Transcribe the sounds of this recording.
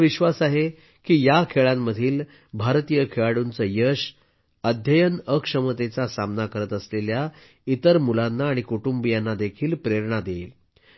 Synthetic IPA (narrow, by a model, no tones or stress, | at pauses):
ʋiɕʋasaɦe | kiːjakʰeɭamːəd̪ʱiːl | bʱaɾt̪ijəkʰeɭaɽunt͡səjəɕ | əd̪ʱjəjənəkʂəmət̪et͡sasamnakəɾət̪əslelja | it̪əɾmulanːaːɽ̃ikuʈumbijanːad̪ekʰiːlpɾeɾɳ̃ad̪eil